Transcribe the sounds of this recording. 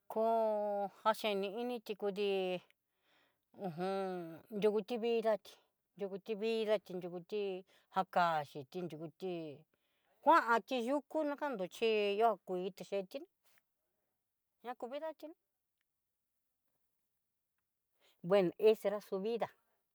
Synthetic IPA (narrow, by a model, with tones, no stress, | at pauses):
kʰo˧ha˧ʃẽ˧nĩ˧i˦nĩ˧t̪i˧ku˧ð̬i˧ | ũ˧˨ɦũ˧nd̪u˧ku˧t̪i˦βi˦˧ða˦˧t̪i̥˧ | nd̪u˧ku˧t̪i˧βi˦ða˧t̪i˧nd̪u˧ku˧t̪i˦ | ha˧ka˧˨ʃi˨t̪i˧nd̪u˧ku˧t̪i˧ | kʷã˦ʔã˧t̪i˧ʒu˦ku˦nã˦ka˦nd̪u˨˧t͡ʃi˦jo˦ha˧kʷiː˨˧˦t̪e˧ʃe˧t̪i˦nĩ˧˦ | ɲã˦ku˧βi˦ða˦t̪i˧nĩ˧ | βwe˧n˨e˦se˧ɾa˦su˧βi˦ða˨